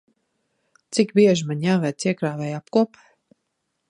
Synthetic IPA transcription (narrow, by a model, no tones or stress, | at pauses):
t̪sikbiɛʒimaɲʲjaːvɛt̪siɛkɾaːvɛjap̚kuɔp